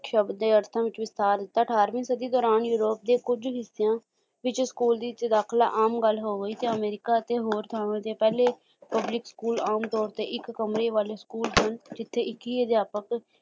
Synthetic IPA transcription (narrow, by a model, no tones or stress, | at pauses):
kʃəbd̪eːəɾt̪ʰãːʋɪt͡ʃʋɪst̪aːɾd̪ɪt̪ːaːəʈʰaːɾʋĩːsəd̪iːd̪ɔːɾaːnjuːɾoːp̚d̪eːkʊd͡ʒɦɪsːejãː | ʋɪt͡ʃskuːld̪iːt͡ʃ̪d̪aːkʰlaːʔaːmɡəlːɦoːɡəiːt̪eːəmeːɾɪkaːət̪eːɦoːɾt̪ʰaːʋẽːt̪eːpɛːleː | pəblɪkskuːlaːmt̪ɔːɾt̪eːʔɪkːəmɾeːʋaːleːskuːlsənd͡ʒɪt̪ʰːeːɪkiːəd̪jaːpək